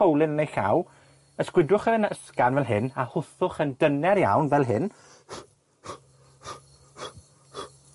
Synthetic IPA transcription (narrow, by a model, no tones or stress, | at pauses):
owlˠɪnənejɬa̰w | əskwɪdʊχəənəskanvɛlˠɦɪnahʊθʊχəndənɛɾja̰wnvɛlˠɦɪn